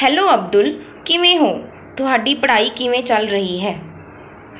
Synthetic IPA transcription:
hɛːloːɐb̚d̪ʊl | kɪmẽɦõː | t̪ʊɦaːɖipəɽ̤aːikɪmẽt͡ʃəlɾəɦiɦɛː

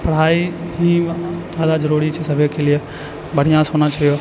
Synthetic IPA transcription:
pəɽ̤aːiɦĩd͡ʒaːd̪ad͡ʒəɾuɾit͡ʃʰɛsəbʱjokʰelie | bəɽ̤ijãsoːnat͡ʃʰɐjo

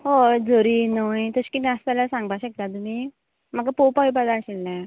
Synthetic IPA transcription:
ɦod͡zoɾiːnojt̪əɕkimɛ̃əst̪alasãŋɡbaɕək̚t̪at̪um̤i | m̤əkapopajp̬ad̪aɕilːɛ̃

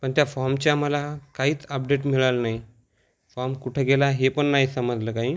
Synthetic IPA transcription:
pəɳt̪jafɔɾmt͡ɕjaməlakaɦiːt͡səp̚ɖeʈ̬miɭalnaɦi | fɔɾmkuʈʰeɡelaɦepəɳːaɦisəməd͡zləːkaɦiː

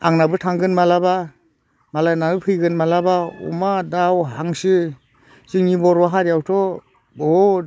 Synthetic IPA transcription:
a̰ŋnabɯtʰaŋɡɯnmalaba | malajnaɯpʰɯjɡɯnmalabaṵmadawɦaŋsɯ | ziŋnibɔɾwaɦaɾjawtʰɔ | bɔ

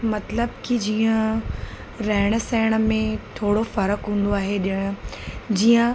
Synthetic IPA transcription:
mɐt̪ləbkid͡ʑiːə̃ | ɾɐɦɪɽ̃əsɛːɪɽ̃ə̆mẽt̪ʰoːɽofɐɾəkɦũːn̆d̪oaːɦeɗɪəɽ̃ʊd͡ʑiːə̃

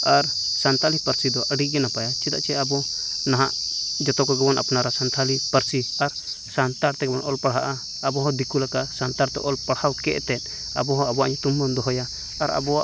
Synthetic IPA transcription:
aɾ | sant̪ʰalipəɾsid̪ɔʔəɖiʔɡɛnapajat͡ʃɛd̪a̰ʔt͡ʃɛabɔnaɦa̰ʔd͡ʒɔt̪ɔkɔɡɔbɔnʔa̰pnaɾasant̪ʰalipəɾsiaɾ | sant̪aɾt̪ɛkɛbɔnɔlpaɽɦaʔaː | bɔɦɔ̃d̪ikulakaʔsant̪aɾt̪ɛ̰ʔɔlpaɽhawkɛʔt̪ɛt̪̚ˀ | a̰bɔɦɔ̃abɔwaʔɲɔt̪umːɔnd̪ɔɦɔja̰ː | ɾa̰bɔwaʔ

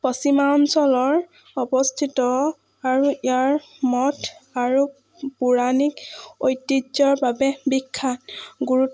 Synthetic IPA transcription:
pɔsimaɔnsɔlɔɹ | ɔbɔstʰitɔ | aɹuijaɹ | mɔtʰaɹu | puɹanikojtːid͡ʒɔɹbabɛbikʰːanɡuɹut

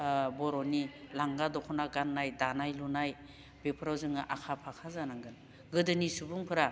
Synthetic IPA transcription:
bɔɾɔnilaŋɡadɔkʰɔnaɡanːajdanajlunaj | bepʰɾawzɯŋaʔakʰapʰakʰazanaŋɡɯn | ɡɯdɯnisubuŋpʰɯɾa

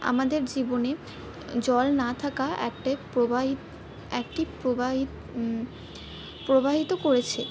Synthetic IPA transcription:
a̰mad̪eɾd͡ʑibone | d͡ʑɔlnat̪ʰakaɛ̰k̚ʈaepoai | ɛk̚ʈipɾobaɦi | pɾobʱaɦit̪okoɾet͡ɕʰe

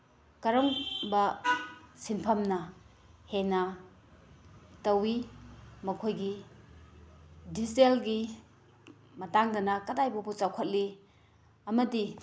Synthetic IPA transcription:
kɐɾɔŋbɐ | sinpʰɐmnɐ | henɐ | tɐwimɐkʰojɡi | diselɡi | mɐtaŋdɐnɐkɐdajbubut͡ʃawkʰɐt̚li | ɐmɐdi

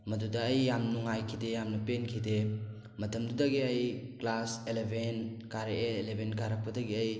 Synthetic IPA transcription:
mɐdudaːjːamnuŋajkʰidejamnɐpenkʰide | mɐtʰɐmdudaɡiɐjklaselebʱenkaɾeelebʱenkaɾak̚pɐdaɡiəj

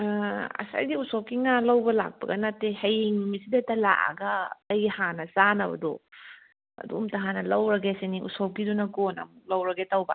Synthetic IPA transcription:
ɐ̰sa̰jdiusowkiŋalɐwbɐla̰k̚pɐ̰ɡɐnatehɐjiŋmisidɐtɐla̰ʔa̰ɡɐːjhanɐsanɐbɐ̰do | ɐ̰dṵmtɐɦanɐlɐwɾɐɡeseniʔṵsowkidunɐɡonɐ̰muk̚lɐwɾɐɡetɐwbɐ̰

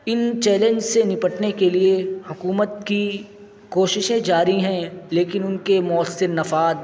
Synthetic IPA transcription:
ɪnt͡ʃɛːlẽnd͡ʒsenɪpəʈnekeliehʊkuːmət̪ki | koːʃɪʃẽd͡ʒaːɾiɦɛ̃leːkɪnʊnkemʊəsːɪɾnɐfaːd̪

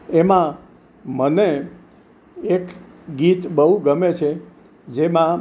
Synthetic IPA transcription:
emã | məne | k | ɡit̪bəɦuɡəmet͡ʃʰe | d͡ʒemã

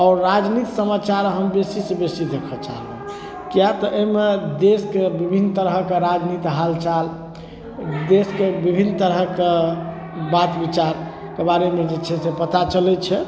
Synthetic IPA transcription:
ɔɾːad͡ʒnit̪səmat͡ʃaɾɦəmbesisebesid̪ekʰɔt͡ʃa̰ɦle | kjat̪ɔʔəjmed̪eskebibʱint̪əɾɦəkeɾad͡ʒnit̪ɦalt͡ʃal | d̪eskebibʱint̪əɾɦəke | bat̪bit͡ʃaɾ | kebaɾemed͡ʒet͡ʃʰɛsepət̪at͡ʃəlɛt͡ʃʰɛ

